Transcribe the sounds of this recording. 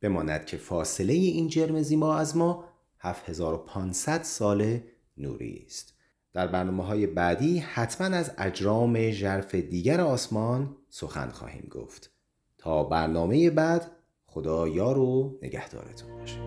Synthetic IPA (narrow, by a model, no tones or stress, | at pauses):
b̥e̞mɒːnæ̰d̪̥cʰe̞fɒːse̞le̞jeʔiːnd͡ʒe̞ɾme̞ziːmɒːæzmɒː | hæfhezɒːɾo̞pʰɒːnsæd̪̥sɒːle̞ | nṵːɾḭːst̪ | d̪̥æɾbæɾnɒːmeɦɒːje̞bæːd̪iːhæt̪ʰmænæzæd͡ʒɾɒːme̞ʒæɾfe̞d̪iːɟæɾeɒːsmɒːnso̞xæ̰nxɒ̰ːhḭːmɡo̰ft̪ | t̪ʰɒːbæɾnɒːme̞je̞bæːd̪̥ | xo̞d̪ɒːjɒːɾone̞̰ɟæ̰hd̪ɒ̰ːɾet̪ʰobɒːʃe̥d̪̥